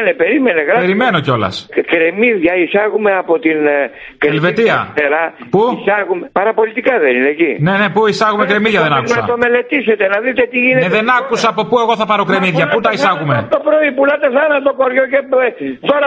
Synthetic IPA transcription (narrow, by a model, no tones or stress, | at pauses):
nepeɾimeneɣɾɐeɾime̞no̞co̞lɐ̰skɾe̞miðʝɐisɐɣumeɐpo̞t̪in | kelve̞t̪iɐ̰t̪eɾɐpuisɐɣumepɐɾɐpo̞lit̪ikɐðenineːcine̞ne̞puisɐɣumekɾe̞miðʝɐðenɐkuɐɐ̰t̪o̞me̞le̞t̪iset̪enɐðit̪e̞t̪iʝineeðe̞nɐkusɐːpo̞pue̞ɣo̞θɐpɐɾo̞kɾe̞miðʝɐput̪ɐisɐɣumet̪opɾoipulɐt̪eθɐnɐt̪okoɾʝocet̪oɾɐ